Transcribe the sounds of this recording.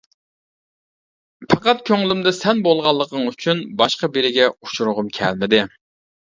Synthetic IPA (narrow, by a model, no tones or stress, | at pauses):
pʰɑqɑt̪̚kʲʰøŋlymd̪ɨsɛnbolˠʁɑlˠːəq̪ʰəŋyt͡ʃʰynbɑʃqɑbeɾɪɡʲɛut͡ʃʰuɾʊʁʊmkʲʰɛ̰lmɪd̪ɪ